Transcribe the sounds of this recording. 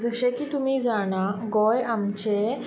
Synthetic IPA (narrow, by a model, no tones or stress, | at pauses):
d͡zəɕekiːt̪umiːd͡zaɽ̃aɡɔjamt͡ɕe